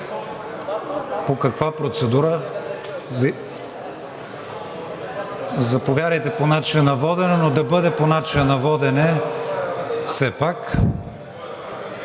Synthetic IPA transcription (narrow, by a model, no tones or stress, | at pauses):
pokɐkvapɾot̪sɛd̪uɾə | zɐpovʲjaɾəjt̪ɛponat͡ʃinɐnɐvɔd̪ɛnɛnod̪ɐbɤd̪ɛponat͡ʃinɐnɐvɔd̪ɛnɛ | fsɛpak